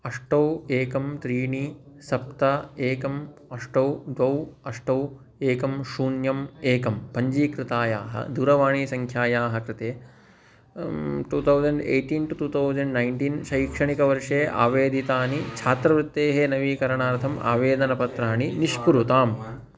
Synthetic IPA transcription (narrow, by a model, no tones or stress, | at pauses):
ɐʂʈɐweːkɐmt̪ɾiːɳisɐp̚t̪ɐeːkɐmɐʂʈɐwd̪ʋɐwɐʂʈɐw | eːkɐmʃuːnjɐmeːkɐmpɐɲd͡ʒiːkɾɪt̪aːjaːɦɐ̰d̪uːɾɐʋaːɳiːsɐŋkʰjaːjaːɦɐkɾɪt̪eː | ʈuːt̪ʰɐwd͡ʒɐɳɖḛːʈinʈuʈuːt̪ʰɐwd͡ʒɐɳɖnɐjnʈinʃɐjkʂɐɳikɐʋɐɾʂeːʔa̰ːʋeːd̪it̪aːnit͡ʃʰaːt̪ɾɐʋɾɪt̪ːeːɦenɐʋiːkɐɾɐɳaːɾt̪ʰɐma̰ːʋeːd̪ɐnɐpɐt̪ɾaːniniʂpuɾut̪aːm